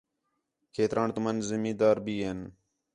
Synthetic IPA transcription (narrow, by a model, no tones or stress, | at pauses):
kʰeːt̪ɾaːɳt̪ʊmənzɪmĩːd̪aːɾbiːɦeːn